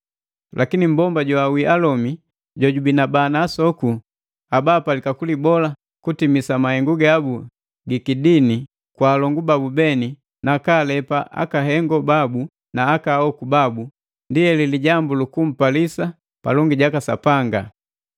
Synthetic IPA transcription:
lʔakinim̩bɔmbaɟwawiʔalɔmi | ɟɔɟubinabanaːsɔku | abaːpalikakulibɔla | kutimisamahɛŋɡuɡabu | ɡikidini | kwaːlɔŋɡubabubɛni | nakaːlɛpaʔa̰kaɦɛŋɡɔbabu | naːkahɔkubabu | ndijɛliliɟambulukum̩palisa | pa̰lɔŋɡiɟakasa̰paŋɡa̰

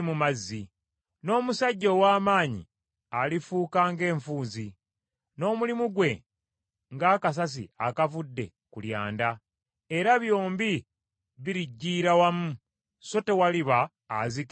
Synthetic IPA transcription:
mumazːi | no̞ːmusaɟːo̞waːmaːɲḭ | alifuːkaːŋɡe̞ːɱfuːnzi | no̞ːmulimuɡwe̞ | ŋɡaːkas̬as̬ḭa̰kavudːe̞̰ | kulja̰ːnda | e̞ɾaβjo̞ːmbi | βiɾiɟːiːɾawamu | so̞te̞waliβaː | zik

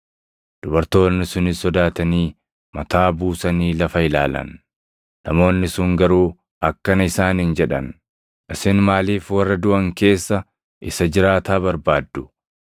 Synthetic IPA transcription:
d̪̥ʊbɐɾt̪o̞ːnːɪsʊnɪsɔd̪aːt̪ɐniː | mɐt̪aːbuːsɐniːlɐfɐɪla̰ːlɐ̰n | nɐmo̞ːnːɪsʊŋɡɐɾuː | ɐkːɐnɪsaːnɪnd͡ʒɛᶑɐn | ʔɪsɪnmaːliːfwɐrːɐd̪ʊʔɐŋke̞ːsːɐ | ʔɪsɐd͡ʒɪɾaːt̪aːβɐɾbaːd̪ːʊ̥

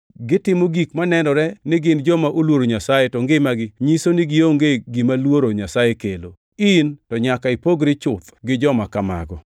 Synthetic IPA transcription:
ɡɪtɪmoɡikmanɛnɔɾɛnɪɡɪnd͡ʒɔmaʔolwoɾoɲasajetɔŋɡemaɡɪɲisonɪɡɪoŋɡeɡimalwoɾoɲasajekelo | intɔɲakaipoɡɾɪt͡ʃʊt̪ɡɪd͡ʒɔmakama̰ɡɔ

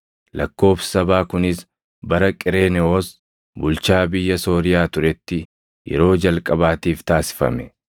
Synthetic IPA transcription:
lɐkːo̞ːfsɐbaːkʊnɪs | bɐɾɐkʼɪɾe̞ːnɛoːs | bʊlt͡ʃaːbɪjːɐso̞ːɾɪjaːt̪ʊɾɛt̪ːɪ | jɛ̰ɾo̞ːd͡ʒɐlkʼɐbaːt̪iːft̪aːsɪ̥fɐ̰mɛ

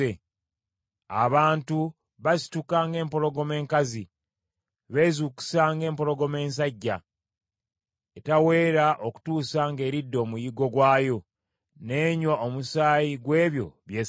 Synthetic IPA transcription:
e | a̰βaːntu | βasi̥tukaːŋɡe̞ːmpo̞lo̞ɡo̞me̞ːŋkazi | βe̞ːzuːku̥saːŋɡe̞ːmpo̞lo̞ɡo̞me̞ːns̬aɟːa | etawe̞ːɾaʔo̞ku̥tuːsaŋɡe̞ːɾidːo̞ːmujiɡo̞ɡwaːjo̞ | ne̞ːɲwaomusaːjiɡwe̞ːβjo̞̰βjeː

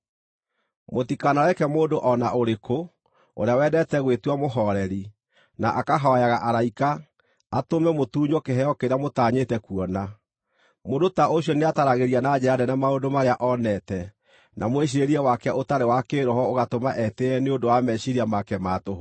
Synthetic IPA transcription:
motikanawɛkɛmoːndoʔɔnaʔoɾeko | o̰ɾeawɛdɛtɛɣwetwamoɦɔɾɛɾi | na̰ʔakaɦɔjaɣaʔaɾaikaː | tomɛmotuːɲɔkeɦɛɔkeɾeamotaːɲetɛkuɔna | moːndotaʔoɕjɔneataɾaɣeɾianad͡ʑɛadɛnamaodomaɾeaʔɔnɛtɛ | nʔamweɕ̬iɾeɾiɛwakɛaʔotaɾewakeːɾɔhɔoɣatomaʔɛteɛneodowamɛɕiɾiamakɛmatoɦo

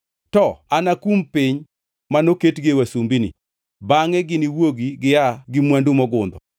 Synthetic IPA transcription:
tɔanakumpiɲ | manoketɡewasumbinḭ | baŋɛɡɪniwoɡiɡɪjaɡɪmwandumɔɡʊnd̪ɔ

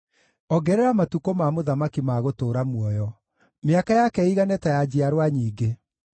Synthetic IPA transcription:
ɔɡɛɾɛɾamatukomamoðamakimaɣotoːɾamwɔjɔ | meakajakɛiɣanɛtajad͡ʑiaɾwaɲiːɡe

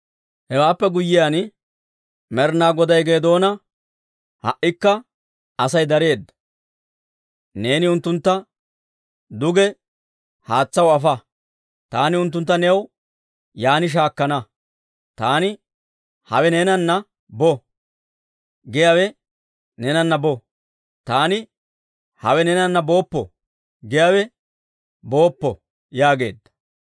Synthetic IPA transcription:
hɛwaːpːɛɡʊjːɪjaːn | mɛɾnaːɡɔd̪ɐjɡe̞ːd̪o̞ːnɐ | hɐ̰ʔːɪkːɐ | ɐsɐjd̪ɐɾe̞ːd̪ːɐ | ne̞ːnɪʊnt̪ːʊnt̪ːɐ | d̪ʊɡɛ | haːt͡sːɐwɐfɐ | t̪aːnɪʊnt̪ːʊnt̪ːɐnɛw | jaːnɪʃ̬aːkːɐnɐ | t̪aːnɪ | hɐ̰wɛneːnɐnːɐ | bɔ | ɡɪjawɛ | nɛnɐnːɐbɔ | t̪aːnɪ | hɐwɛnɛnɐnːɐbo̞ːpːɔ̰ | ɡɛjaːwɛ | bo̞ːpːɔ̰ | jaːɡe̞ːd̪ːɐ̥

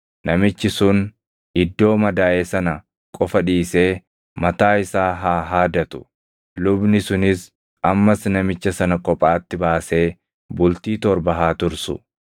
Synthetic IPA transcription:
nɐmɪt͡ʃːɪsʊn | ɪd̪ːo̞ːmɐd̪aːʔeːsɐnɐ | kʼɔfɐᶑiːse̞ː | mɐt̪aːɪsaːɦaːɦaːd̪ɐt̪ʊ̥ | lʊbnɪsʊnɪs | ɐmːɐsnɐmɪt͡ʃːɐsɐnɐkʼɔpʼaːt̪ːɪbaːse̞ː | bʊlt̪iːt̪ɔɾbɐɦaːt̪ʊɾsʊ̰

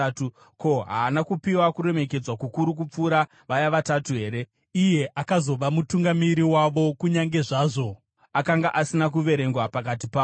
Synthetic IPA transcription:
tu | ko̞ɦaːnakupiwakuɾe̞me̞ke̞d͡zwakukuɾuk̬up͡fuːɾa | ʋajaʋatatuɦe̞ːɾe̞ | ije̞ʔakazo̞ʋamutuŋɡamiɾiwaʋo̞kuɲaŋɡe̞ʐaːʐo̞ | akaŋɡaʔasinak̬uʋe̞ɾe̞ŋɡwapak̬at̬ipa

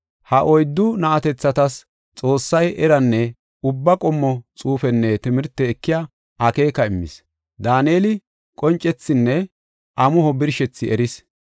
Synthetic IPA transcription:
hɐʔɔjd̪ːʊnɐʔɐt̪ɛt͡sːɐt̪ɐs | t͡sʼo̞ːsːɐjʔɛɾɐnːɛ | ʊbːɐkʼɔmːɔt͡sʼuːfɛnːɛt̪ɪmɪɾt̪ːɛːkːɪja | ʔɐke̞ːkɐɪmːɪ̰s | d̪aːneːlɪ | kʼɔnt͡ʃʼːɛt͡sːɪnːɛ | ʔɐmʊhɔbɪɾʃɛt͡sːɪʔɛɾɪs

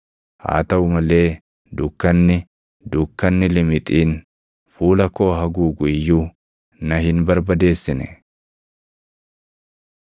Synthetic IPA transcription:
ha̰ːt̪ɐʊmɐle̞ː | d̪ʊkːɐnːɪ | d̪ʊkːɐnːɪlɪmɪt̪ʼiːn | fuːlɐko̞ːɦɐɡuːɡʊjːuː | nɐhɪnbɐɾbɐd̪e̞ːsːɪnɛ

